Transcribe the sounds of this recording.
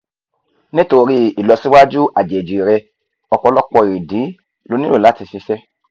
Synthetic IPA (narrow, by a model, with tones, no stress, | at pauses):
nĩ˦to˧ɾi˦i˨lɔ˧si˦wa˦d͡ʒu˦ʔa˨d͡ʒɛ˨d͡ʒi˨ɾɛ˧ | ɔ˧kɔ˧lɔ˦k͡pɔ˧i˨i˨di˨˦ | lo˧˦nĩ˦ɾo˦˨la˨˦ti˧si˧˦sɛ˦